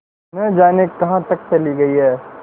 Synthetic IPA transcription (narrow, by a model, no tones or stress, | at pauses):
nɐd͡ʒaːnekːɐɦãt̪ɐk̚t͡ʃɐliɡɐiɦɛː